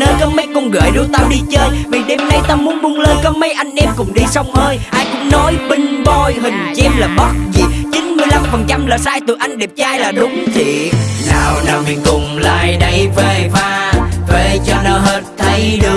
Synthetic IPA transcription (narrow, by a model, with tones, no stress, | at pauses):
nəː˧jkɔ˨˦ma˨˦jkʊ˧ŋ͡mɣə̰ː˧˨˩jɗu˧˦t̪aː˧wɗi˧t͡ɕəː˧jvi˨˩ɗe˧mna˧jt̪aː˧mu˨˦ənmu˨˧ənləː˧nkɔ˨˦mə˨˦jʔa˧jŋ̟ʔɛ˧mkʊ̰˨˧˩ŋ͡mɗi˧sə˧wŋ͡mʔəː˧jʔaː˧jkʊ̰˧˥ŋ͡mnɔ˨˦jɓï˧ŋ̟ɓɔ˧˩jɦï˨˩ŋ̟t͡ɕɛ˧mlaː˨˩ɓɔ˦˥t̚zi˨˩t͡ɕi˨˦nmɨ˧əjla˧mfə˨˩nt͡ɕa˧mlaː˨˩saː˧jt̪ɨ̰˨˧˩əʔa˧jŋ̟ɗɛ˨˩p̚t͡ɕaː˧jlaː˨˩ɗʊ˨˦ŋ͡mt̪ʰi˨˩˨naː˨˩wnaː˨˩wvḭ˧˩kʊ˨˩ŋ͡mla̰ː˧˨jɗə˧jve˨˩faː˧ve˨˩t͡ɕɔ˧nɔ˨˦ɦə˦t̚t̪ʰə˨˦jɗɨ˨˩ə